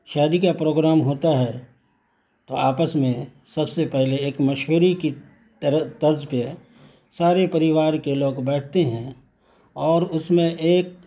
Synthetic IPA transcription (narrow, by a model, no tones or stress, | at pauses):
ʃaːd̪ikapɾoːɡɾaːmɦoːt̪aɦɛː | t̪oaːpəsmẽ | sɐbsepɛɦleeːkmɐʃʋəɾiki | ɾət̪ɐɾd͡ʒpə | saːɾepɐɾɪʋaːɾkeloːɡbɛːʈ̚ʰt̪eɦɛ̃ | ɔːɾʊsmẽʔeːk̚